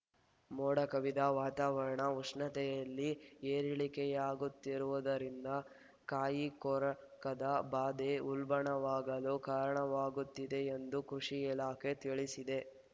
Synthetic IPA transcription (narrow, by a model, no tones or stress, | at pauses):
moːɽɐkɐʋid̪aːʋaːt̪aːʋɐɾɐɳɐuʂɳɐt̪ɛjɐlːieːɾiɭikɛjaːɡut̪ːiɾuʋud̪ɐɾind̪ɐ | kaːjikɔːɾɐkɐd̪ɐbaːd̪e̞ulbɐɳɐʋaːɡɐlukaːɾɐɳɐʋaːɡut̪ːid̪e̞end̪ukɾuʂiilaːkʰe̞t̪iɭisid̪e̞